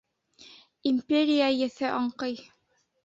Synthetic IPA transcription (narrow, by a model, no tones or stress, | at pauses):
imʲpʲeɾʲijajɘ̆θɘʔɑɴqɤj